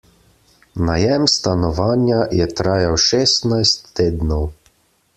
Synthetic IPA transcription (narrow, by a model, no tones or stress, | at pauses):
najɛmst̪anɔʋaːnjajɛt̪ɾaːjawʃɛːst̪najst̪ːeːd̪nɔw